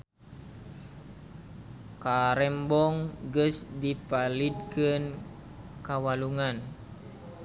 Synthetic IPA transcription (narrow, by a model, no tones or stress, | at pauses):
kaɾɛmbɔŋɡəsdipalid̚kɨn | kawaluŋan